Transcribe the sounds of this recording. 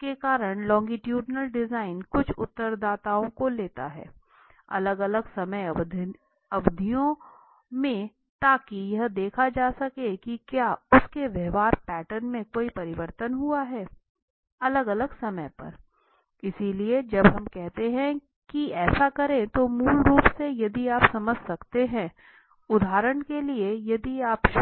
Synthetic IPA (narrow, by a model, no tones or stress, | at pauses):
kekaːɾəɽ̃lɔ̃ːŋɡiʈjuːɖnəlɖɪzaːɪnkʊt͡ʃʰʊ̰t̪ːəɾd̪aːt̪aːõkoleːt̪a̰ɦɛ̰ː | ɐ̰ləɡɐləɡsɐməjd̪ʱ | ɐʋd̪ʱijõ | mẽ | t̪aːkijɐɦd̪eːkʰad͡ʒaːsɐkekikjaːʊskeʋjɛɦʋaːɾpɛːʈəɾnmẽkoːipɐɾɪʋəɾt̪ənɦuaɦɛː | ɐləɡɐləɡsɐməjpɐ̰ɾ | ɪsilied͡ʒɐbɦɐmkɛɦt̪eɦɛ̃ | kiɛːsakɐɾẽt̪omuːlɾuːpsejɐd̪iaːpsɐməd͡ʒʱsɐkt̪eɦɛ̃ | ʊd̪ʱaːɾəɳkeliejɐd̪iaːp